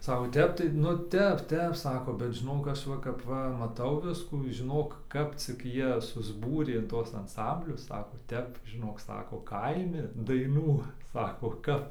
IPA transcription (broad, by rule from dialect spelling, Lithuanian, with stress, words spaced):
ˈsɑːkoː ˈtʲɛp tɐɪ nʊ ˈtʲɛp ˈtʲɛp ˈsɑːkoː bʲɛt ʒʲɪˈnoːk ˈɐʃ ˈʋɐ kɐp ˈʋɐ mɐˈtɐʊ ˈʋʲɪskuː ʒʲɪˈnoːk ˈkɐp t͡sʲɪk ˈjiɛ sʊzˈbuːrʲeː ɪn ˈtuɔs ɐnˈsɐmʲbʲlʲʊs ˈsɑːkoː ˈtʲɛp ʒʲɪˈnoːk ˈsɑːkoː ˈkɐɪmʲɪ dɐɪˈnuː ˈsɑːkoː kɐp